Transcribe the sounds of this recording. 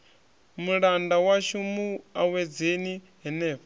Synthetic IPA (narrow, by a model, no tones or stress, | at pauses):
muɺandawaʃumuawɛd͡zeni | ɦɛnɛːf